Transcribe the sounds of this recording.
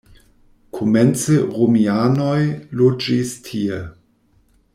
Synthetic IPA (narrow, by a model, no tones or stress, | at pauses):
kʰoment͡seʁomianojlod͡ʒistʰie